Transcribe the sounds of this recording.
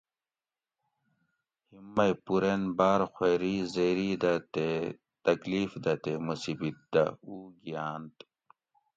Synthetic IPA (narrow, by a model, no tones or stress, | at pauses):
himːɐjpuɾenbaːɾxʷeːɾiːzeɾiːd̪ɐt̪e | t̪ɐkliːfd̪ɐt̪emusibit̪̚d̪ɐ̰uːɡijaːnt̪